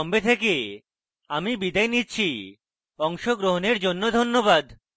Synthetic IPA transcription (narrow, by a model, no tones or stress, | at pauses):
ɔmbet̪ʰeke | amibid̪aenitːɕʰi | ɔŋʃoɡɾoɦoneɾd͡ʑonːod̪ʱonːobad̪